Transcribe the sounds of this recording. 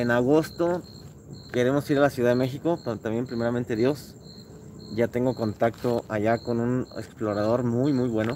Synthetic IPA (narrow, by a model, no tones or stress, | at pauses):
enaɣo̞st̪o̞ | ke̞ɾe̞mo̞siɾalasjuðað̞eme̞xiko̞t̪t̪ambje̞mpɾime̞ɾamẽnt̪e̞ðjo̞s | ɟ͡ʝat̪eŋɡo̞ko̞nt̪akt̪o̞ʔaʝako̞nunḛksplo̞ɾað̞o̞ɾmujmujβwe̞no̞